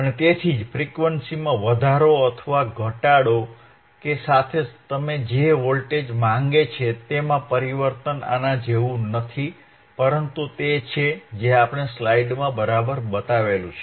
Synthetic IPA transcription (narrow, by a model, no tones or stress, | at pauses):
ənet̪et̪ʰid͡ʒfɾikʋənsimãʋəd̪ʱaɾoət̪ʰəʋaɡʱəʈaɽo | kesat̪ʰed͡ʒt̪əmed͡ʒeʋolʈed͡ʒmãŋɡet͡ʃʰet̪emãpəɾiʋəɾt̪əna̰nãd͡ʒeʋũnət̪ʰi | pəɾənt̪ut̪et͡ʃʰed͡ʒeapɳ̃eslaiɖmãbəɾabəɾbət̪aʋelũt͡ʃʰe